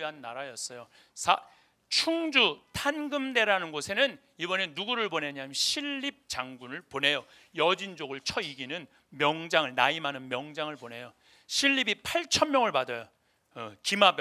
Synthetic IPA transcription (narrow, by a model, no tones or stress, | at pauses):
ɦanːaɾajʌs͈ʌjo | sʰa | t͡ɕʰuŋd͡ʑutʰanɡɯmde̞ɾanɯnɡosʰe̞nɯn | ibʌne̞nuɡuɾɯɭbone̞ɲaimʌɕʰiɭːip̚t͡ɕaŋɡunɯɭpone̞jo | jʌd͡ʑind͡ʑoɡɯɭt͡ɕʰʌiɡinɯn | mjʌŋd͡ʑaŋɯɭnaimanɯnmjʌŋd͡ʑaŋɯɭbone̞jo | ɕʰiʎːibipʰaɭt͡ɕʰʌnmjʌŋɯɭpadʌjo | kimab